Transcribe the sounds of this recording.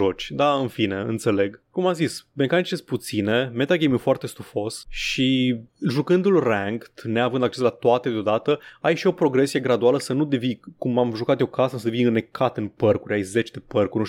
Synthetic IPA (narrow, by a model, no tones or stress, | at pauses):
ʒo̞t͡ʃʲd̪aɨnfine̞ɨ̰nt̪se̞le̞ɡkumamzisme̞kanit͡ʃest̪̚put̪sine̞me̞t̪alɡʲejmɨfoart̪e̞st̪ufo̞sʃiʒukɨnd̪ulræŋkt̪neavɨnd̪ak̚t͡ʃeslat̪oat̪e̞d̪eod̪at̪əajʃio̞pɾo̞ɡɾe̞sije̞ɡɾad̪ualəsənud̪e̞vikumamʒukat̪jewkasəssəd̪evinɨne̞kʰat̪ɨnpərkuɾʲajze̞t͡ʃd̪e̞pərkurʲn